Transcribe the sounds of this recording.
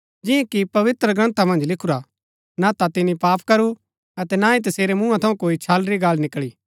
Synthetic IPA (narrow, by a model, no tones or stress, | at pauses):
d͡ʒɪ̃ẽkipɐʋɪt̪ɾəɡɾɐ̃nt̪amɐ̃nd͡ʒlɪkʰuɾa | nat̪at̪ɪnĩpaːpkɐɾu | ɐt̪ɛnaːĩt̪ɐseːɾemũːãt̪ʰɐũkoːit͡ʃʰaːlɾiɡaːlnɪkɭiː